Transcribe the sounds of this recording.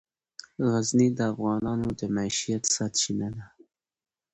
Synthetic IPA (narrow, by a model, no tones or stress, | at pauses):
ɣaznid̪əafɣɑnɑnod̪əmaiʃijat̪sɑt̪ʃinad̪a